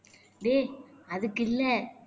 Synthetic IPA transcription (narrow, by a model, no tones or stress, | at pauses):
ɖeːɐðɯkːɪlːɛ